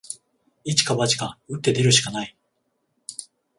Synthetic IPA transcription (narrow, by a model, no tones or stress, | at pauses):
it͡ɕi̥kaβat͡ɕi̥kaɯ̟t̪ːe̞d̪e̞ɾɯ̟ɕi̥kanai